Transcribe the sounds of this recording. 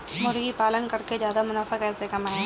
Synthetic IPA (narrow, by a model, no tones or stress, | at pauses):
mʊɾɡipaːlənkɐɾked͡ʒjaːd̪amʊnaːfakɛːsekɐmaːɦẽː